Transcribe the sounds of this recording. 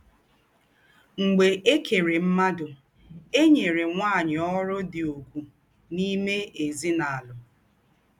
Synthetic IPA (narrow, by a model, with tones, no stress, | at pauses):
ŋ͡m̩˨ɡ͡be˨ʔe˦ke˨ɾe˨m̩˦ma˦dʊ˨ | e˦ɲe˨ɾe˨ŋʷaː˦˨ɲɪ˨ɔ˦ɾʊ˦dɪ˨o˨kʷu˨ | ni˦me˦e˨zi˦na˨a˨lʊ˨